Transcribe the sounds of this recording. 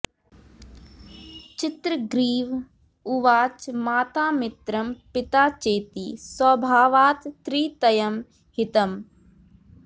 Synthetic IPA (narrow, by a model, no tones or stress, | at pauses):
t͡ʃɪt̪ɾəɡɾiːʋ | ʊʋaːt͡ʃmaːt̪aːmɪt̪ɾɐmpɪt̪aːt͡ʃeːt̪iːsɐbʱaːʋaːt̪ːɾiːt̪ɐjɐm | hɪt̪ɐm